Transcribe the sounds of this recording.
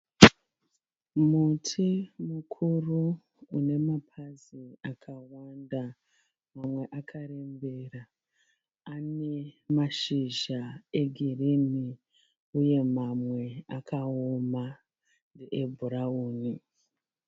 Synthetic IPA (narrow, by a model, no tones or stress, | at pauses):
mutʰimukʰuru | une̞mapʰaziakʰawanda | mamwe̞ʔakʰaɾe̞mbe̞ra | ane̞maʃiʒae̞ɡʱirimi | uje̞mamwe̞akʰaoma | ndeʔebʱuɾauːni